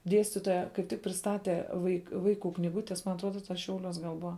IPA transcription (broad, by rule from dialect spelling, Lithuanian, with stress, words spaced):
ˈdʲiɛsʲtʲɪtoːjɛ kɐɪp ˈtʲɪk pʲrʲɪsˈtɑːtʲɛ ʋɐɪk ˈʋɐɪkuː knʲiːˈɡʊtʲɛs mɐn ɐtˈruɔdɐ tɐs ˈʃʲɛʊˌlʲuɔs ɡɐlˠ ˈbʊɐ